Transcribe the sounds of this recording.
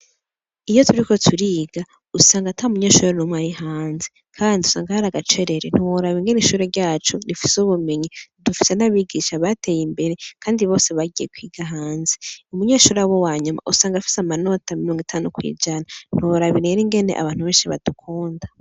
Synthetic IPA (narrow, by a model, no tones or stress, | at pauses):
ijo̞tʰuɾiko̞tʰuɾiːɡa | usaːŋɡatʰaumuɲeːʃuːɾɾenumwaːɾihaːnze | kʰaːndiusa̰ːŋɡahaɾaɡat͡ʃe̞ɾe̞ɾen̥huwoɾaβiŋɡe̞niʃuːɾeɾɟaːt͡ʃoɾifi̥suβumeɲidufise̞naβiɡiʃaβate̞jimbe̞ɾe̞kʰaːndiβo̞ːse̞βaɡijekwiːɡaɦaːnzeumuɲe̞ːʃuːɾawowaːɲuma̰ʔusaːŋɡafi̥samano̞tamiɾoːŋɡitʰaːnukwḭːd͡ʒanan̥huwoɾaβiɾeɾiŋɡe̞ne̞ʔa̰βaːn̥huβeːnʃiβa̰d̥ukʰuːnda